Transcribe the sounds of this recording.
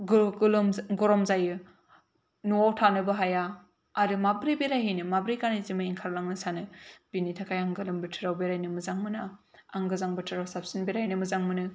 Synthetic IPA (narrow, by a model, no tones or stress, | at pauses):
ɡlɡɔɾɔmzajɯ | nuawtʰanɯbɯɦajaː | ɾɯmabɾibeɾajɦijnɯmabɾikanizimɯiŋkʰaɾlaŋnɯsanɯb̥initʰakʰajaŋɡɯlɯmbɯtʰɯɾawbeɾajnɯmɯzaŋmɯna | aŋɡɯzaŋbɯtʰɯɾawsap̚sinbeɾajnɯmɯzaŋmɯnɯ